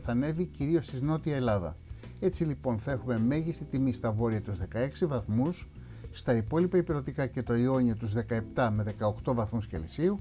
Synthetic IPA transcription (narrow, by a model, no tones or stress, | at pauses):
θɐne̞viciɾio̞st̪izno̞t̪iɐelɐðɐ̰ | e̞t͡silipo̞nθɐe̞xume̞me̞ʝist̪it̪imist̪ɐvo̞ɾiɐt̪uzðe̞kɐe̞ksivɐθmusː | t̪ɐipo̞lipɐipiɾo̞t̪ikɐce̞t̪o̞io̞ɲio̞t̪uzðe̞kɐe̞pt̪ɐme̞ðe̞kɐo̞kt̪o̞vɐθmusçḛlisiu